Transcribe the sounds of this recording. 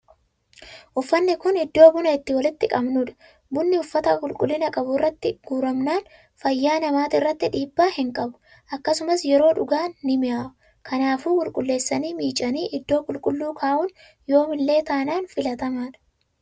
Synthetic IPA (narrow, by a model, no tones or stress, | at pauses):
ʔʊfːɐnːɪkʊnɪd̪ːoːbʊnɐɪt̪ːɪwɐlɪt̪ːɪkʼɐbnʊᶑɐ̥ | bʊnːɪʊfːɐt̪ɐkʼʊlkʼʊlːɪnɐkʼɐbʊɪrːɐt̪ːɪɡ̥uːɾɐmnaːn | fɐjːaːnɐmaːt̪ɪrːɐt̪ːɪᶑiːbːaːhɪŋkʼɐbʊ̥ | ʔɐkːɐsʊmɐsjɛɾo̞ːᶑʊɡaːnːɪmɪjaːʔʊ | kʰɐnaːfuːkʼʊlkʼʊlːe̞ːsːɐniːmiːt͡ʃʼɐniːʔɪd̪ːo̞ːkʼʊlkʼʊlːuːkʰaːʔʊːn | jo̞ːmɪnlːe̞ːt̪aːnaːnfɪlɐt̪ɐmaːᶑɐ̥